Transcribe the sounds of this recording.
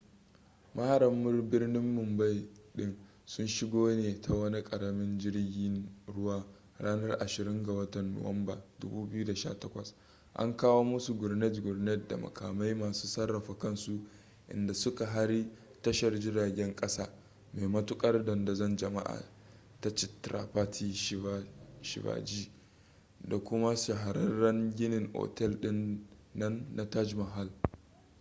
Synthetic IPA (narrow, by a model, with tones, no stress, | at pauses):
mʔa˦ha˨ɾɐ˨mːʊ˦rbɪ˦rnɪ˦mːʊ˨mba˦˨jɗɪ˦n | sʊ˦nʃɪ˦ɡoː˦neː˨ta˨wɐ˦ni˦kʼɐ˨ɾɐ˨mɪ˦nd͡ʒɪ˦rɡʲiː˦nɽʊ˦waː˦ | ɽaː˦nɐ˦rʔa˨ʃɪ˨ɾɪ˦ŋɡa˨wɐ˦tɐ˨nːo̰˨wɐ˦mba˨dʊ̰˦buː˦bɪ˦ju˦da˨ʃa̰ː˦tɐ˦kʷɐ˨s | ʔa̰˦ŋkaː˦woː˦mʊ˦su˨ɡʊ˨rnɛ˦tɡʊ˨rnɛ˦t̚da̰˨mɐ̰˨kʰa̰ː˨ma˦jmaː˨suː˦sɐ˦rːɐ˨ɸa˨kɐ˦nsu˦ | ʔɪ̰˨nda˨sʊ˦ka˨ɦa˦ɽi˦tɐ˦ʃɐ˨rd͡ʒɪ˦ɾaː˨ɡʲɛ˦ŋkʼɐ˦saː˦ | me˨jmɐ˦tʊ˦kʼɐ˦rdɔ˨nda˨zɐ˦˨nd͡ʒɐ˨ma̰˦ʔa̰ː˨ | ta˦t͡ʃɪ˨tɾa̰˨ɸa˦tʰi˦a˦ʃɪ̰˨ba̰ː˨d͡ʒiː˦ | da˨kʷʊ˦ma˦ʃa˨ɦa˨ɾɐ˦nːɐ˦ŋɡʲɪ˦nɪ˨ŋʔo̰˨tɛ˦˨lɗɪ˦nː | ɐ˦nːa˦ta˦d͡ʒmɐ˨ɦa˦l